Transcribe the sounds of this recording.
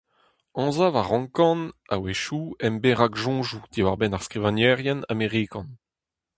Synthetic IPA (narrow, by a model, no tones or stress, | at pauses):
ɑ̃zavaʁɑ̃ŋkɑ̃na̰weʃuɛmbeʁaɡʒɔ̃ːʒud̥̪iwaʁbɛnaʁskʁivãnjɛʁjɛna̰meʁikɑ̃n